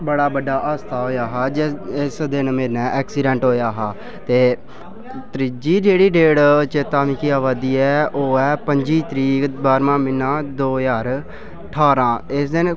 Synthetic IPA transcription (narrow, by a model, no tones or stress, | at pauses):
bəɽaːbəɖaːʔaːst̪ʰaːɦoːjaːɦaːd͡ʒɪɪsd̪ɪnmeːnɛːʔɛːksɪːɖɛ̃ːɳʈɦoːjaːɦaː | t̪eː | t̪ɾɪd͡ʒiːd͡ʒeːɽiːɖeːɽt͡ʃət̪aːmɪkiːaːʋaːd̪iːɛːoːɛːpəɲd͡ʒiːt̪ɾiːkbaːɾmãːmɪnːãːd̪oːjaːɾ | əʈʰaːɾãːɪsd̪ɪn